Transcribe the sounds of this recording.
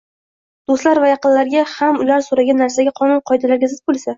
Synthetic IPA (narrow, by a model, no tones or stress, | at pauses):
d̪̥ost̪laɾvajɑqɨnlaɾɡʲahamʊlaɾsoɾaɡʲanːaɾsaɡʲaqʰɒnʊnqʰɒjd̪alaɾɡʲazɪt̪̚bolˠsa